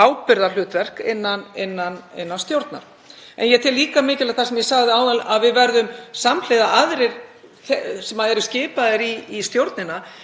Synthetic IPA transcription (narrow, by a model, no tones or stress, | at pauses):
aːwpɪɾðal̥ʏːt̪vɛr̥kɪnːanɪnːanɪ̰nːanst̪jowɾt̪na̰ɾ̥ | ɛ̰njɛt̪ʰɪlːiːkamɪːcɪlaθasɛmjɛsaɣðɪaːwðalaðvɪðvɛɾðʏmsaml̥eːðaʔaðɾɪɾ | θsɛmaðɛɾʏscɪːpaðɪɾiːst̪jowɾt̪nɪna